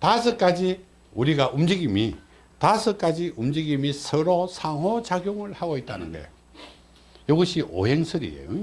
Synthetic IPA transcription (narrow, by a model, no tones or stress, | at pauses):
tasʰɯk͈ad͡ʑi | uɾiɡaʔumd͡ʑiɡimi | tasʰɯk͈ad͡ʑiʔumd͡ʑiɡimisʰɯɾosʰaŋɦwot͡ɕaɡjoŋɯɭhaɡoit̚t͈a̰nɯ̰nɡḛ | joɡɯɕʰiʔo̰he̞ŋsʰɯɾḭḛjo̰